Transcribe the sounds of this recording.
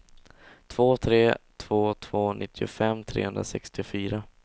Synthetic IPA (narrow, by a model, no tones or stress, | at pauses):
t̪ʰv̥oːt̪ʰɾeːt̪ʰv̥oːt̪ʰv̥oːnʔɪt̪ʰːɪʊfɛmːt̪ʰɾḛːhɵnɾa̰sɛkst̪ɪfyːɾa